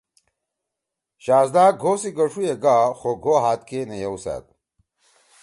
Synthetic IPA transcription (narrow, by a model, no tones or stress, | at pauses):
ɕaːzd̪aːɡʱosiɡɐʂueɡaːxoɡʱoɦaːt̪̚kenejɐwsa̰ːt̪̚